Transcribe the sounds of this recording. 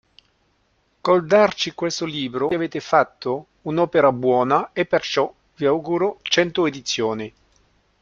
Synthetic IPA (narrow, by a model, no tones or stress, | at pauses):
kɔld̪art͡ʃikwest̪oliːbɾoveːt̪ɪfat̪ːo | unɔːpeɾabwɔːnaepːert͡ʃɔ | viawɡuːɾot͡ʃɛnt̪ʊed̪it̪sːjoːni